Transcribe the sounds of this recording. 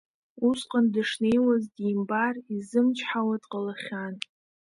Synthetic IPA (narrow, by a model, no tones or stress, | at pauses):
usqʼəndɨʂne̞jwazdimbarizɨmt͡ʃʰħawadʼqʼəlaχʲan